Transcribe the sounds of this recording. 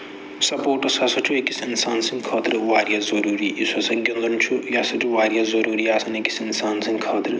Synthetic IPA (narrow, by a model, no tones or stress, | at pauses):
sɐpoːɾʈɐsɐsɐt͡ʃʰuekisinsaːnsiŋɡkʰɔːt̪ɾɨʋaːɾjazɐɾuːɾiʔisɐsɐŋɡind̪ɐnt͡ʃʰujasɐʈʰuʋaːɾjazɐɾuːɾiaːsɐneki̥sinsaːnsĩŋkʰɐːt̪ɾɨ